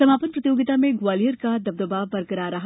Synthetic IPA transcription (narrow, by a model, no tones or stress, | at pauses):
sɐmaːpənpɾɐt̪ijoːɡɪt̪aːmẽɡwaːlijəɾkad̪ɐb̚d̪ɐbaːbɐɾɡɐɾaːɾɐɦ